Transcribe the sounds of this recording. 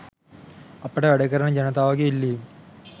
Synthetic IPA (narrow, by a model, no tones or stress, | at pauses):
ɐpːɐɽeʋɐɽɐɣɐɾɐɳɐd͡ʑɐnɐt̪aːʋɐɡeilːi